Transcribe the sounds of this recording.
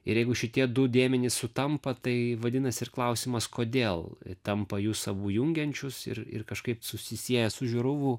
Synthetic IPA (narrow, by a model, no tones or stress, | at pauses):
ɪ̰ɾjɛɪɡʊʃʲɪt̪ʲiɛd̪ʊd̪ʲeːmʲɛnʲɪssʊt̪ɐmpɐt̪ɐɪʋɐd̪ʲɪnɐsɪrklˠɐʊsʲiːmɐskoːd̪ʲeːlˠt̪ɐmpɐjuːsɐbuːjʊŋʲɡʲɛnʲt͡ʃʲʊsɪ̰rɪ̰rkɐʃkɐɪpsʊsʲɪsʲiɛjɛsʊʒʲʊɾʊʋʊ